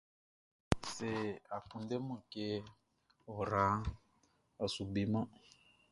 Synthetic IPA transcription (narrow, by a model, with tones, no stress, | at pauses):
se˨a˨ku˨nde˦mɔ̃˨ke˧ | o˨ɾa˨˦ | a˨su˨bi˦mã˦